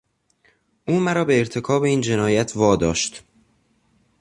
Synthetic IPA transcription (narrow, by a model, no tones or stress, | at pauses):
ʔuːmæɾɒːbe̞ːɾt̪ʰe̞kʰɒːbeiːnd͡ʒe̞nɒːjæt̪ʰvɒːd̪ɒːʃt̪